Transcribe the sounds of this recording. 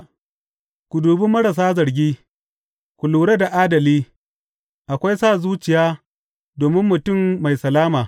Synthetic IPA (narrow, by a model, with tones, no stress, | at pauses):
kʷʊ˨duː˨bɪ˦mːɐ˦ɽɐ˨s̬aː˦zɐ˨ɾɡʲiː˦ | kʷʊ˨luː˨ɽe˦da˨ʔaː˦dɐ˨liː˦ | ʔa˨kʷa˦jsaː˦˨zuː˦t͡ʃɪ˨jaː˦ | doː˨mɪ˦mːʊ˨tʊ˦˨mːa˨jsɐ˨laː˦maː˨